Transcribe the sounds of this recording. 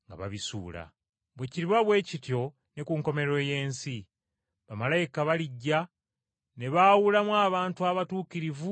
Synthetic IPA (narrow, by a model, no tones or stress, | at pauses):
ŋɡa̰βa̰βisṵːla̰ | βwe̞ciɾiβaβwe̞ːcitjo̞ | nekuŋko̞me̞ɾo̞je̞ːnsi | βamalajikaβaliɟːa | ne̞βawulamwaːβaːntuaβatuːkiɾivu